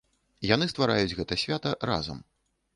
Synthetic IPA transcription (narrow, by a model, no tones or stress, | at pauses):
janɨst̪vaɾajud͡zʲɣɛt̪ɐsʲvʲat̪ɐɾa̰zɐ̰m